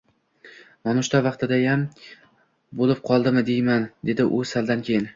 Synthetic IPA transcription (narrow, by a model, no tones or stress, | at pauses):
mɒnʊʃt̪ʰavɑqt̪ɪd̪ajam | bolɪp̚qʰɒlˠd̪ɪmɪd̪ejmand̪e̞d̪ɪʔʊsald̪ankʲʰejɪn